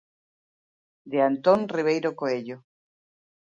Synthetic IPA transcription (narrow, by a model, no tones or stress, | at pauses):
d̪eant̪onriβ̞ejɾokoeʎo